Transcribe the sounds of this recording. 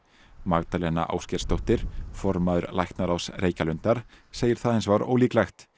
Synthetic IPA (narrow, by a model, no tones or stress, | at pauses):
maɣt̪alɛna̰ʔa̰wscɛɾst̪owht̪ɪɾ̥fɔɾmaðʏɾlajxt̪naɾawsreːjcalʏnt̪aɾ̥seːjɪɾ̥θaðhẽjnsvaɾo̰ːwliːklajxt̪